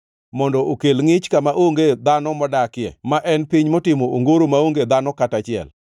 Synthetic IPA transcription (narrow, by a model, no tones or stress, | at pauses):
mɔndɔokelŋɪt͡ʃkamaʔoŋɡed̪anɔmɔdakɪɛ̰maʔɛnpɪɲmɔtɪmoʔoŋɡoɾomaoŋɡed̪anɔkatat͡ʃɪɛ̰l